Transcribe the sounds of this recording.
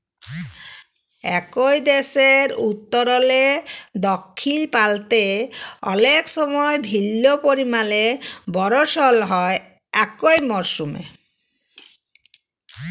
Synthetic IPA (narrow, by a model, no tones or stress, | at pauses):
ɛkojd̪eʃeɾut̪ːoɾɔled̪ɔkʰːilpalt̪eɔ̰lekʃɔmɔebʱilːopoɾimalebɔɾoʃɔlɦɔe | ɛkojmɔɾʃumḛ